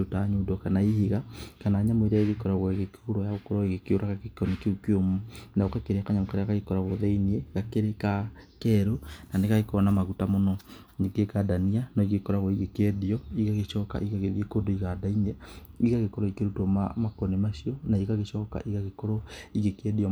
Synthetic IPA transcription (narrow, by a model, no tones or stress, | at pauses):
otaɲodɔkanaiheɣakanaːɲamoeɾaeɣekɔɾaɣwɛɣekoɾɔjaɣokoɾɔiɣekeoɾaɣakekɔnekeukeomonaokakeɾeakaɲamokaɾeakaɣekɔɾaɣoðeiniɛɣakeɾekakɛɾonaneɣaɣekɔnamaɣutamonɔ | neɡekadanianɔiɣekɔɾaɣoiɣekɛðiɔiɣaɣeʃɔka̰ʔiɣaɣeðiekondoiɣadainɛiɣaɣekɔɾɔikeɾutwɔmamakɔnemaʃiɔnaiɣaɣeʃɔːka̰ʔiɣaɣekoɾoiɣekɛdiɔ